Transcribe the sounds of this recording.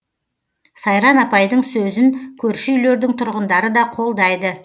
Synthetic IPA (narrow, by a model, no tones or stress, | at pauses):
sɑjɾɑnɑpɑjd̪əɴsɵzɪnkʲʰɵɾʃɪyjle̞ɾd̪ɪŋt̪ʰʊɾʁənd̪ɑɾəd̪ɑqʰo̞lˠd̪ɑjd̪ə